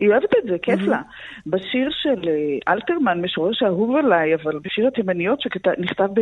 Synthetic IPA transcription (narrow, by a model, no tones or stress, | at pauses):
ioevet̪etzekefla | baʃiʁʃeleʔalt̪eʁmanmeʃoʁeʃaɦuvelajavalbeʃiʁhat̪emanijo̞tʃekataniχt̪avbe